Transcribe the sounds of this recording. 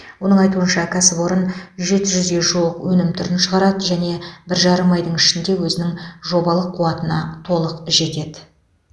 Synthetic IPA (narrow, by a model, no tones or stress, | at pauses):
wo̞nəɴɑjt̪uənʃɑkʲʰæsɪpo̞ɾənʒe̞t̪ɪʒʏzɡʲe̞ʒuəqwɵnɪmt̪ʰʏɾɪnʃəʁɑɾɑd̪əʒæne̞bɪɾʒɑɾəmɑjd̪əɴɪʃɪnd̪e̞wɵzɪnɪŋʒo̞bɑlˠəqʰːuɑt̪ənɑ̰t̪ʰo̞lˠəqʒe̞t̪e̞d̪ɪ